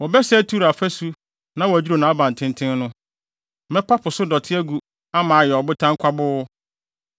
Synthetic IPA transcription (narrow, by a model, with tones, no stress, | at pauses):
wɔ˨bɛ˦sɛ˦tʰu˦˨ɾa˨fæ˦su˦ | nã˦wɔ˨æ˨d͡ʑᶣi˦ɾo˨nã˨˦a˦bã˨n˨tʰɪ̃˦ntʰɪ̃˦n˦nʊ̃˦ | mɛ̃˦pʰa˦pʰʊ˨sʊ˦dɔ˨tʰɪ˦æ˦ɡu˨ | a˦mãː˨˦jɛ˨ɔ˨bʊ˦tʰã˦ŋ˦kʷʰa˦bʊ˦